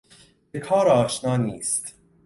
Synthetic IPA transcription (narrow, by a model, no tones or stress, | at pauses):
bekʰɒːɾɒːʃnɑːniːst̪